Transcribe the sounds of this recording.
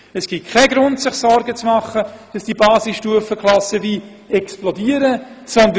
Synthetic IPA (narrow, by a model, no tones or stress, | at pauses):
əsɡ̥ikʰɛɡɾʊntsɪχsɔɾɡət͡smɑχəd̥ɑsd̥ibɑːsɪsʃtuəfəkχlˠɑsəviː | ɛksplɔdiːəɾəsɔnd̪